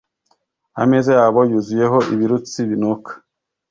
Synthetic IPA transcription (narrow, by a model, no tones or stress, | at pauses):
a̰mezejaːβojuzuje̞ɦo̞iβiɾut͡siβinokḁ